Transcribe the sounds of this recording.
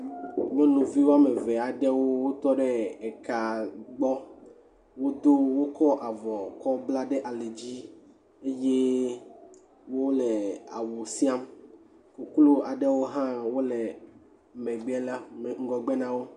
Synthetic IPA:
mẽ˦nũ˨vi˦wo˦a˦me˨vɛ˨a˨ɖɛ˦wo˦wo˦t̪ɔ˦ɖɛ˦ɛ˨ka˨ɡ͡bɔ˦ | wo˦d̪o˦wo˦kɔ˦ʔa˨vɔ˨kɔ˦bla˦ɖe˦ʔa˨le˨d͡ʑi˦ | e˦je˦ | wo˦lɛ˨a̰˨wo˨si˦a˦m | ku˨klo˦a˨ɖɛ˦wo˦ɦã˦wo˦lɛ˨ | mɛ̃˨ɡ͡bɛ˦la˦me˨ŋ̩˦ɡɔ˨ɡ͡be˦nã˦wo˦

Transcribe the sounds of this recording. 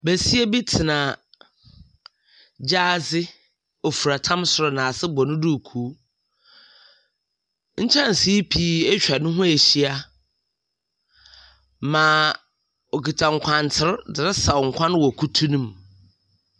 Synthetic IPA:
bæ˨si˦e˦bi˦tʰɪ˨nã˨ | d͡ʑaː˦zɪ˦ | o˨fu˨ɾa˨tʰã˦msʊ˨ɾɔ˨nã˨sɪ˦bɔ˨nʊ̃˦du˦˨kʰuː˨˦ | ɲ̩˦t͡ɕʰã˦n̩˨si˦pʰi˦ɛ˦t͡ɕᶣa˨nʊ̃˦ɦʊ̃˦æ˨ɕi˦a˦ | mãː˨ | o˨ki˨tʰã˨ŋ̩˨kʷʰã˨ntʰɪ˦ɾdɪ˨ɾɪ˦sa˨wŋ̩˨kʷʰã˦ñ˦wɔ˨kʰu˦tʰu˦nũ˦m

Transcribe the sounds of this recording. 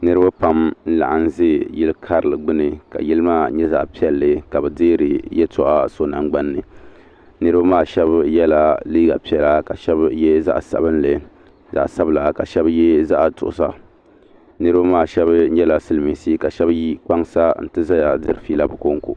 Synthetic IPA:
nɨ˦ɾɨ˦ba˦pa˨mn̩˦la̰˨ʔa˨n˦zeː˦˨jɪ˦lkʰa˦ɾɨ˨lɨ˨ɡ͡bɨ˦nɨ˨ka̰˨ji˦lɨ˦maː˦˨ɲɛ˦za̰˨ʔpi˦ɛ˦lːɨ˨ka˨bɛ˨dɪː˦ɾɨ˨jɛ˦tʰɔ˨ʔa˦so˦na˨ŋɡ͡ba˦nːɨ˨ | nɨ˦ɾɨ˦ba˦maː˦˨ʃɛ˦bjɛ˦la˦liː˦ɡa̰˨pi˦ɛ˨la˦ka˨ʃɛ˦bjɛ˦za̰˦ʔsa̰˨bɨ˦nlɨ˨ | za̰˨ʔsa˦bla˨ka˨ʃɛ˦bjɛ˦za˦ʔtʊ̰˨ʔʊ˨sa̰˦ | nɨ˦ɾɨ˦ba˦maː˦˨ʃɛ˦bɲɛ˦la˨sɨ˦lmi˨siː˦ka˨ʃɛ˦bji˦k͡pa˦ŋsa˦n̩˦tɨ˦za˦ja˨dɨ˦ɾɨ˨fi˦la˦˨bɨ˨ko˦ŋ˦ko̰˨

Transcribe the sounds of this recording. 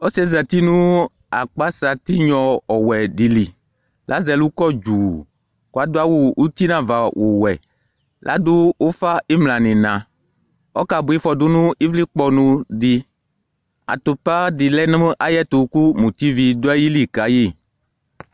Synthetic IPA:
ɔ˦sɛ˦za˨t̪i˦nũ˦ | a˨k͡pa˦sa˨t̪i˦ɲɔ̃˨ɔ˨wɛ˨di˨li˨ | lʔa˨˦zɛ˨lu˦kɔ˦d͡ʒu˨ | ko˨a˨d̪o˦a˦wu˨u˦t̪i˦nã˦va˨wʔo˨wɛ˨ | lʔa̰˨˦dʊ˦o˦fa˦e˦mlã˨nĩ˨nã˨ | ɔ̰˦ka˨bʊ˨˦i˦fɔ˨dʊ˦nũ˦i˦vli˦k͡pɔ˨nũ˨di˨ | a̰˨t̪o˨pa˦di˨lɛ˦nũ˦a˦jɛ˦t̪o˨ku˦mũ˨t̪i˦vi˨do˦a˦ji˦li˨ka˨˦je˦˨

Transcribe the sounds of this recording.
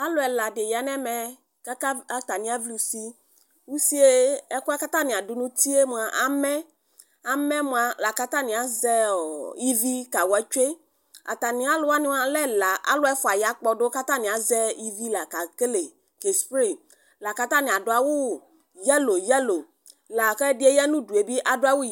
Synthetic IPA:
a˦lo˨ɛ˨la˨ɖe˨ja˨nɛ̃˦mɛ˨ | ka˦a˦a˨˦t̪a˨nĩ˦a˦vli˨˦si˦ | wu˦si˦e˦ɛ˦ku˦a˦ka˦t̪a˦nĩ˨a˨du˨nũ˦t̪i˦e˦mũ˨a˨ʔa˨mɛ̃˦ | a˨˦mɛ̃˦mũ˦a˨la˨ka˦t̪a˦nĩ˨a˨zɛ˦˨i˦vi˦ka˨wɛ˦t͡ʃe˦ | a̰˨t̪a˨nĩ˨a˦lo˦a˦nĩ˦wa˦lɛ˦la˨ʔa̰˦lo˦ɛ˦fɔ˨a˨ja˦k͡pɔ˨ɖo˦ka˦t̪a˦˨nĩ˨a˨zɛ˦i˦vi˦la˨ka˨ke˦le˨ | ke˨spɾi˦˨ | la˨ka˦t̪a˦nĩ˨a˨ɖo˨˦a˨wu˦ | jɛ˦lo˨jɛ˦lo˨ | la˨xɛ˦ɖi˦e˦jɛ˦nũ˦du˨e˨bi˦ʔa˨do˦a˦wu˦

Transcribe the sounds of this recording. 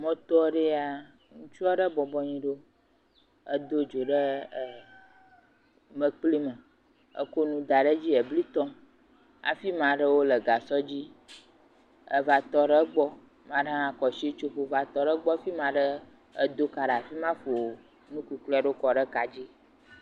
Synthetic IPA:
mɔ̃˦t̪ɔ˦ɖe˦a˨ | ŋũ˦t͡ʃu˦a˦ɖə˦bɔ˨bɔ˦ɲĩ˦ɖo˦ | ə˦d̪o˦d͡ʒo˨ɖə˦˨ | mə̃˦k͡pli˦mə̃˨ | ə̰˦ko˦nũ˦d̪a˨ɖə˦d͡ʑi˦ə˨bli˦t̪ɔ̃˦ | a̰˨fi˦mã˨ɖə˦wo˦lə˨ɡa˨sɔ˦d͡ʑi˦ | ə̰˦va˨t̪ɔ˦ɖə˦ɡ͡bɔ˦ | mã˦ɖa˦a˨kɔ˨ʃi˦t͡ʃo˦ɸo˦va˨t̪ɔ˦ɖə˦ɡ͡bɔ˦fi˦mã˨ɖə˦ | ə˦d̪o˦ka˨ɖa˨fi˦mã˦fo˨ | nũ˦ku˨k͡plɖo˦kɔ˨ɖə˦ka˨d͡ʑi˦

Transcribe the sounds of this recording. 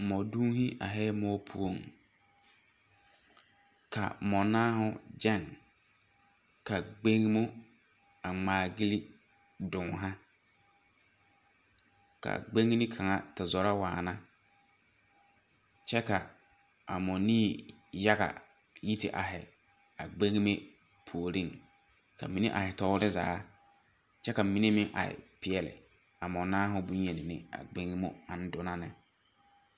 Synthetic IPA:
mɔ˨du˦hi˦ʔa̰˨ɦɛ˦mɔː˦pʰṵ˦o˨ŋ | kʰa̰˨mɔ˨naː˦ɦʊ˦d͡ʒɛ˦˨ŋ | ka˨ɡ͡be˦ŋ˦mʊ˦ | a˨ŋ͡maː˨ɡi˦li˦ | dʊ˨ŋ˨ɦã˦ | ka̰˨ɡ͡be˦ŋ˦nɪ˦kʰa˨ŋa˨tɪ˨zɔ˨ɾa˦waː˨nã˦ | t͡ʃɛ˦ka˨ | a˨mɔ˨niː˦ja˦ɣa̰˨ | ji˦tɪ̰˨ʔa˨ɦɪ˨ | a˨ɡ͡be˦ŋ˦me˦ | pʰu˨o˨ɾi˦˨ŋ | ka̰˨mi˨˦nḛ˦ʔa˨hɪ˨tɔ˦ɾɪ˦zaː˨˦ | t͡ʃɛ˦ka˨mi˨˦ne˦mɪ̃˦ʔa̰˨ɪ̰˨pɪ˨ɛ˨lɪ̰˨ | a˨mɔ˨naː˦ɦʊ˦bu˦ɲe˨nɪ˨nɪ̰˦a̰˨ɡ͡be˦ŋ˦mo˦a˨n̩˦dʊ˦na˦nɪ˨

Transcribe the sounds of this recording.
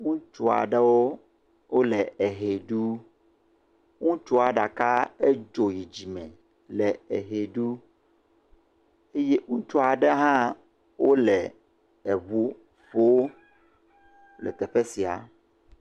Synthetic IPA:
ŋũ˦t͡ʃu˦a̰˨ɖɛ˦wo˦ | wʔo˦lɛ˨e˨ɦe˨ɖu˦ | ŋũ˦t͡ʃu˦a˨ɖa˨ka˦e˦d͡ʒo˨ji˨d͡ʑi˨mɛ̃˨ | lɛ˨ɛ˨ɦe˨ɖu˦ | e˦je˦ŋũ˦t͡ʃu˦a˨ɖɛ˦ɦã˦ | wʔo˦lɛ˨ | ɛ˨βu˦ | ɸo˦ | lɛ̰˨t̪ɛ˨ɸe˦si˨a̰˨

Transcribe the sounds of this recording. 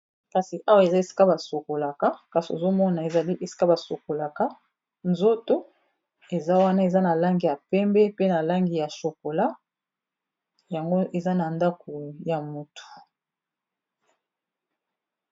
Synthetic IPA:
ka˨si˨ʔa˦wa˦˨e˨za˦e˨si̥˦ka˦ba˨so˨ko˨la˨ka˦ka˨si˨o˨zo˦mɔ˦na˨e˨za˨li˦ʔe˨si̥˦ka˦ba˨so˨ko˨la˨ka˦ | nzo˦to˦ | e˨za˦wa˦na˦e˨za˦na˨la˦ŋɡi˨ja˨pɛ˦mbɛ˦pe˦na˨la˦ŋɡi˨ja˨ʃo˨ko˨la˦ | ja˨ŋɡo˦ʔe˨za˦na˨nda˦ko˨ja˨mu˨tʰu̥˨

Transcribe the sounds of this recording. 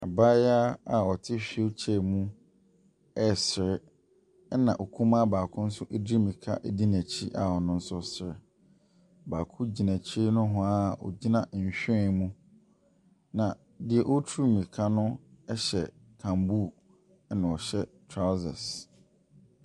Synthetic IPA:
a̰˨ba˦ja˦a˨ɔ˨tʰɪ˦ɕᶣi˨˦o˦t͡ɕʰɛ˦˨mũ˦ | ɛ˦˨sɪ˨ɾɪ˦ | nã˨ʔo˨kʰũ˦mã˦baː˨kʰʊ̃˦n̩˦sʊ˦ʔe˦di˦mĩ˨kʰa̰˦ʔɛ˦di˦næ̃˨t͡ɕʰi˦ʔa˨hɔ˨nʊ̃˦n̩˦sʊ˦sɪ˨ɾɪ˨ | baː˨kʰʊ̃˦d͡ʑi˨næ̃˨t͡ɕʰi˦nʊ̃˦ɦʊ̃˦a˦˨ɔ̰˨d͡ʑi˦nã˨ɕᶣɪ˦˨mũ˦ | nã˨ | dɪ˨ɛ˨ʔo˦tʰu˦˨mĩ˨kʰa˦nʊ̃˦ɛ˦ɕɛ˨ | kʰã˨mbu˦˨˦ | nã˨ɔ˨ɕɛ˦tʰɾa˦zɛ̰˨s

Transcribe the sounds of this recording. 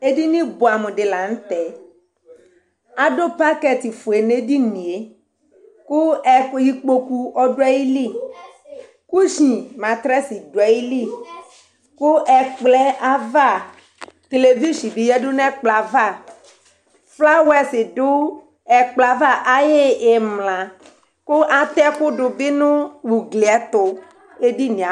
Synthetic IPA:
e˦di˦nĩ˦bo˨a˨mẽ˨ɖe˨la˨ŋ̩˦t̪ɛ˨ | a˦ɖo˦pa˦kɛ˦˨t̪i˨fu˨e˨ne˦di˦nĩ˨e˦ | ku˦ɛ˦ji˦k͡po˦ku˦ɔ˦ɖo˦a˦ji˦li˦˨ | ku˦ʃĩ˨mã˨t̪ɾɛ˦si˨do˨a˦ji˦li˦˨ | ku˦ʔɛ˦k͡plɛ˦a˦va˦˨ | t̪e˨le˨vi˦ʃi˨bi˨jɛ˦ɖʊ˦nɛ̃˦k͡pla˨va˦˨ | fla˦wɛ˦sɪ˨ɖʊ˦ | ɛ˨k͡pla˨va˦ʔa˦je˦e˨mlã˨ | kʊ˦ʔa˦t̪ɛ˦kʊ˦ɖʊ˨bɪ˦nʊ̃˦wu˨ɡli˨ɛ˦t̪ʊ˨ | e˦di˦nĩ˨a˨

